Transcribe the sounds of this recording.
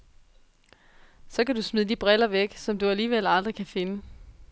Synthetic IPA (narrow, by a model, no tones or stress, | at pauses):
sɒ̽kæd̥usmiðˠd̥ib̥ʁɛlɐʋeɡ̥sɒ̽md̥uæliːʋel̰ɑ̈ld̥ʁikʰæfe̝nə